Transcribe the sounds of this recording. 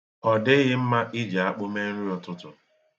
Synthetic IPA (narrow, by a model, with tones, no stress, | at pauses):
ɔ˨dɪ˦ɣɪ˦m̩˦ma˦ʔɪ˦d͡ʒa˨a˦k͡pʊ˦me˦n̩˦ɾu˦ɔ˨tʊ˦tʊ˨